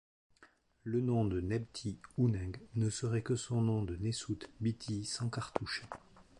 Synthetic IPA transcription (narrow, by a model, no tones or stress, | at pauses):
lənɔ̃d̪ənɛbt̪ʰiunɛ̃ɡnəsəʁɛkəsɔ̃nɔ̃d̪ənesut̪bit̪ʰisɑ̃kaʁt̪uʃe